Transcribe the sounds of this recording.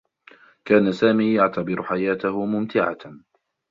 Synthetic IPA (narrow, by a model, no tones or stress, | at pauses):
kaːnasaːmiːjaʕt̪abɪɾʊħajaːt̪ahʊmʊmt̪ʰɪʕa̰